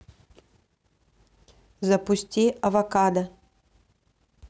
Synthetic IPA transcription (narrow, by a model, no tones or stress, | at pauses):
zɐpʊsʲtʲiɐvɐkad̪ɐ